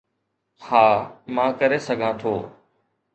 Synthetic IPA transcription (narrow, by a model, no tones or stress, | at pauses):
haːmãːkəɾesəɡʱãːt̪ʰoː